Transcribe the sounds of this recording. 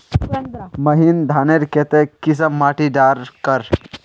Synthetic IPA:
mɐɦind̪ʱaːneɾket̪ekis̬ɐmːaːʈiɖaːɾkəɾ

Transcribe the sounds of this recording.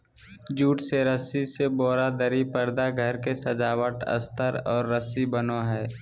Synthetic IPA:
d͡ʒuːʈseɾəsiseboːɾad̪əɾipəɾd̪aɡʱəɾkesəd͡ʒaːwəʈə̰st̪ʰəɾɔːɾːəsibənoɦɛː

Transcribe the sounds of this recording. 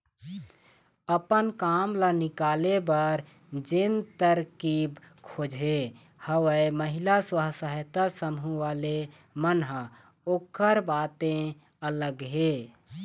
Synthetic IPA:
əpənkamlanikaːlebəɾ | d͡ʒent̪əɾkib | kʰod͡ʒʱɦe | həwəməɦilaswəɦsəɦt̪asəmɦũwale | mənɦə | oːkəɾbat̪ẽ | ələɡɦe

